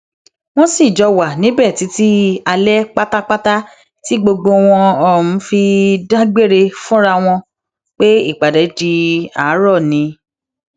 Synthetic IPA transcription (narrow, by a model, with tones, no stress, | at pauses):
w̃ɔ̃˦si˦˨d͡ʒɔ˨˧wa˨nĩ˨˦bɛ˦˨ti˨˦ti˦a˧lɛ˦k͡pa˦ta˦k͡pa˦ta˦ | ti˦ɡ͡bo˧ɡ͡bo˧w̃ɔ̃˧ɔ˨mũ˨˦fi˧da˦ɡ͡be˦˨ɾe˧fũ˦ɾa˧w̃ɔ̃˧ | k͡pe˦ḭ˦˨k͡pa˨dɛ˨˦d͡ʒi˧a˨˦ɾɔ˦˨nĩ˨˦